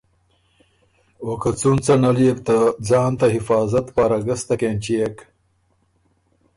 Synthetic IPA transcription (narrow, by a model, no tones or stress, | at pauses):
wokɐt͡sunt͡sɐnɐliept̪ad͡zɑːnt̪ɐɦifɑːzɐt̪paɾɐɡɐst̪ɐkenʲt͡ɕiek